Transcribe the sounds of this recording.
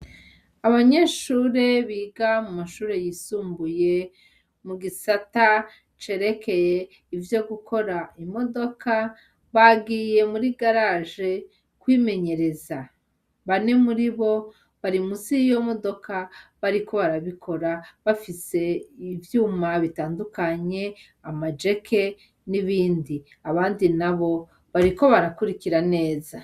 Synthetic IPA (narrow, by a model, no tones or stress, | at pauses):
aβaɲe̞ːʃuːɾe̞βiːɡamumaʃuːɾe̞jisuːmbuje̞ | muɡisata | t͡ʃe̞ɾe̞ke̞je | ivjo̞ɡukʰo̞ɾaimo̞do̞kʰa | βaɡije̞muɾiɡaɾaʒe̞ | kwiːme̞ɲe̞ɾe̞za | βane̞muɾiβo̞ | βaɾimuzijo̞mo̞do̞kaβaɾikʰo̞βaɾaβikʰo̞ɾaβafise̞ivjuːmaβitaːndukaɲe̞ | amad͡ʒe̞kʰe̞ | niβiːndi | aβaːndinaβo̞ | βaɾiko̞βaɾakuɾikiɾane̞ːza